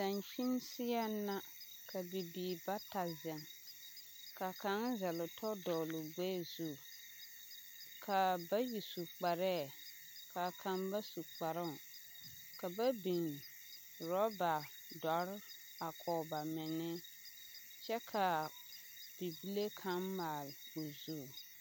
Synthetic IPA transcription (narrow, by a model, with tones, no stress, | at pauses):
da˨nʃi˦nsɪ˦ɛ˦nːa˦ | kʰa˨bi˨biː˨ba˦ta˨zɛ˨n | ka˨ka˨˦ŋ˦zɛ˨lʊ˨tʰɔ˦dɔː˨lʊ˨ɡ͡bɛː˦zu˦˨ | kʰa˨ba˦ji˨su˨k͡pa˨ɾɛː˦˨ | kʰa˨kʰã˨˦mba˦su˨k͡pa˨ɾɪ˦˨ŋ˨ | ka˨ba˦bi˨n | ɾɔ˦ba˨ | dɔ˨˦ɾ | a˨kʰɔː˨ba˨mɪ˨nɪ˦ | t͡ʃɛ˦kʰa˨ | b̥i˨bi˦le˦kʰa˨˦ŋmaː˨lʊ˨zu˦˨